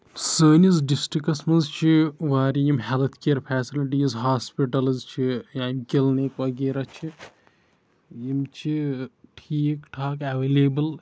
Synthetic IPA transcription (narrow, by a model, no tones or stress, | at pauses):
səːnizɖisʈɾikɐsmɐnzt͡ʃʰiʋaːɾʲijimɦelt̪ʰkeːɾpʰɛːsiliʈiːzɦaːspiʈɐlɨzt͡ʃʰijaːnɡilnekʋɐɡeːɾat͡ʃʰi | jimt͡ʃʰiʈʰiːkʈʰaːkɛʋeːleːbɨl